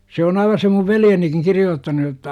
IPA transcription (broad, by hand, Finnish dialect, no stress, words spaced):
se on ɑiʋɑ se muʋ ʋeljenikiŋ kirijoːtːɑnu jotːɑ